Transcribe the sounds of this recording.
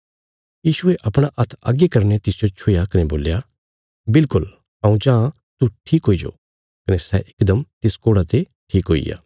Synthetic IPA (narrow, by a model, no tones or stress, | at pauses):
jiːʃʊeʔɐpɽ̃aʔɐt̪ʰɐ̰ɡekɐɾnet̪ɪsd͡ʒot͡ʃʰʊːjakɐneboːlja | bɪlkʊl | ãːũd͡ʒãːã | t̪uʈʰiːkɦoːid͡ʒo̰ː | kɐnesɛʔɪkd̪əmt̪ɪskoːɽat̪e | ʈʰiːkɦoːḭja̰ː